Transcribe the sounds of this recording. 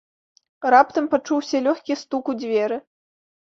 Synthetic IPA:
rapt̪ɐmpat͡ʂuwsʲɐlʲɔxʲkʲist̪ukud͡zʲvʲɛɾɨ

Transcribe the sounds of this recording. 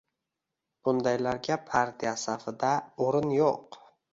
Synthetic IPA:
b̥ʊnd̪ajlaɾɡʲapʰaɾt̪ʰijasafɪd̪aoɾɪnjoq

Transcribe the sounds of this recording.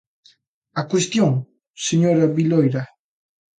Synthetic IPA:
akwest̪joŋ | seɲoɾaβilojɾa

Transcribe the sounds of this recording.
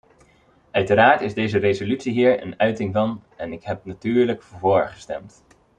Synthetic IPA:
œɥtəɾaːɹtɪzdejzərezolytsiɦiːɹə̰nœɥtɪŋvɑnɛnɪkɦɛp̚natyːɹləkvoːɹχə̥stɛ̰mt

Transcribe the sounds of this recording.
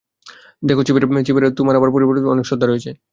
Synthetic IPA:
d̪ekʰot͡ɕipiʈamt͡ɕipiʈat̪umaɾɛbaɾpoɾiboɾʈit̪ɔnekʃɔd̪ʱːaɾojet͡ɕʰe

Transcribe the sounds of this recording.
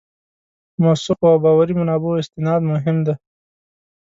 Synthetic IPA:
mosuqawbɑwaɾimanɑːboɪst̪ɪnɑd̪mʊɦɪmd̪e

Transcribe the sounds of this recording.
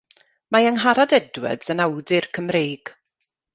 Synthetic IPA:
majəŋɦaɾadɛdwə̰dənawdɪrkʰəmreːɡ̥

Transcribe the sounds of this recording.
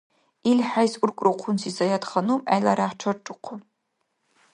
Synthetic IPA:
ilħajsʔʷʊrkʷʼrɨqʷʰʊnsizɐjatχɐnuma̰jlaɾaħʈ͡ʂʰɐrʈ͡ʂʼɨqʷʰʊ

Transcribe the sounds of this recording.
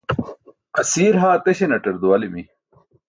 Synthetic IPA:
ɐsiːɾɦaːt̪eɕenɐʈɐɾd̪uwɐlimi

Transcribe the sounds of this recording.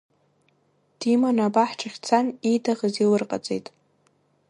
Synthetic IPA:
d̥imanabaħʈ͡ʂʰaχʲt͡sʰanijdʰaʁəzilɨrqʼa̰t͡sʼejtʼ

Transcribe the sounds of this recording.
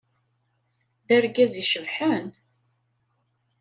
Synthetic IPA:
ðæɾɡæziʃəvħən

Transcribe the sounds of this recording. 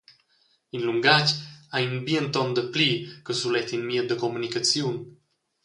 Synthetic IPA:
inluŋɡacajinbiənt̪ɔnd̪əplikəsulɛt̪inmiɛd̪əkomunikat͡sijun

